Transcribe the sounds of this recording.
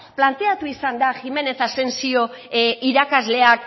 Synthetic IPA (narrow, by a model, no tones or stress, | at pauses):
plant̪e̞at̪uisand̪axime̞ne̞θase̞nsio̞iɾakazle̞ak